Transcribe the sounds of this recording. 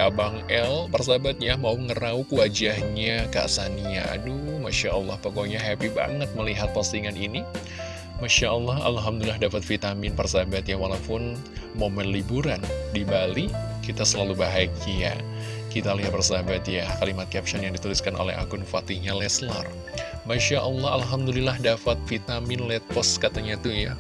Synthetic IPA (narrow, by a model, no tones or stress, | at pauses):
abaŋɛlpərs̬abat̪̚jamauəŋəraukəwad͡ʒahɲaka̰sania̰dumaʃaʔɔlːɑhpokoɲaɦɛpiba̰ŋət̪̚məliɦat̪̚pasiŋanini | maʃaʔɔlːɑha̰lɦamd̪ullahdapat̪̚fit̪amɪnpərsabat̪jawalaupʊn | momɛnlibuɾandibali | kit̪asəlalubaɦajkia̰ | kit̪aliɦat̪̚bərsabat̪jakalimat̪̚kɛp̚ʃɔnjaŋdit̪uliskanʔo̰lɛ̰ɦa̰kʊnfat̪iɲalɛslar | maʃaʔɔlːɑhalɦamd̪ulilahdafat̪̚fit̪amɪnlɛt̪̚pɔskat̪aɲat̪uja̰